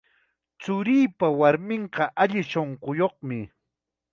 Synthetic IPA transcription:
t͡sʊɾiːpawaɾmɪɴqɑʔaʎɪʃoɴqojoχmɪ

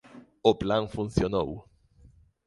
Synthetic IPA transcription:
oplãŋfũn̟θjono̰w

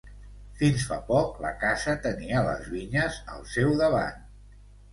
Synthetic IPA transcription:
finsfa̰pɔklə̰kazət̪əniələ̰zβiɲəzə̰lˠsɛwðəβ̞a̰n

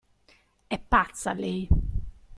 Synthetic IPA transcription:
ɛpːat̪salej

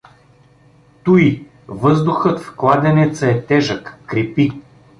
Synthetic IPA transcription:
t̪ui | vɤzd̪ʊxɤt̪fklˠad̪ɛnɛt̪səɛt̪ɛʒəkːɾipi

